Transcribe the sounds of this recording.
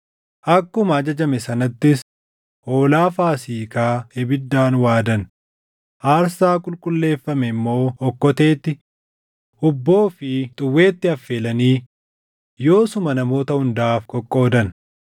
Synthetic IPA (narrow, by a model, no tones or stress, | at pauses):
ʔɐkːʊmɐːd͡ʒɐd͡ʒɐmɛsɐnɐt̪ːɪs | ʔo̞ːlaːfaːsiːkaːɛbɪd̪ːaːnwaːd̪ɐn | ʔaːɾsaːkʼʊlkʼʊlːe̞ːfːɐmɛɪmːo̞ːɔkːɔt̪e̞ːt̪ːɪ | ʔʊbːo̞ːfɪt̪ʼʊwːe̞ːt̪ːɪɐfːe̞ːlɐniː | jo̞ːsʊmɐnɐmo̞ːt̪ɐhʊnd̪aːfkʼɔkʼːo̞ːd̪ɐn